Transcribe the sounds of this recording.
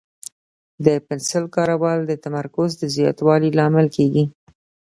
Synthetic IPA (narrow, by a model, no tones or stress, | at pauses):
d̪əpɪnsɪlkɑɾawɑld̪ət̪amaɾkʊzd̪əzjɑ̰t̪wɑlilɑmɪlkʰeɡi